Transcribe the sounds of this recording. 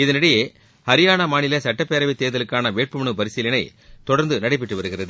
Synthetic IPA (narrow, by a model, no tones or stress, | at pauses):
ɪðɐnɐɽɐjeː | hɐɾɪjaːnɐmaːnɪlɐsɐʈːɐpːeːɾɐʋɪt̪ːeːðɐlɯkːaːnɐʋeːʈ̚pɯmɐɳɯbɐɾɪsɪlɐnɐɪt̪ɔɽɐɾnd̪ɯnɐɽɐɪpːɪʈːɯʋɐɾɯɣɪrɐðɯ